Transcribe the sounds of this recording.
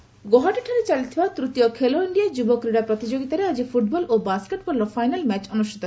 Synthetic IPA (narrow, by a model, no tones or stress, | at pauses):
ɡoɦaʈiʈʰaɾet͡ɕalit̪ʰibat̪ɾut̪iokʰeloiɳɖiad͡ʑubokɾiɽapɾot̪id͡ʑoɡit̪aɾead͡ʑifuʈ̚bɔlʔobaskeʈbɔɾlofajnalmɛt͡ɕɔnuʃʈʰi̥t̪o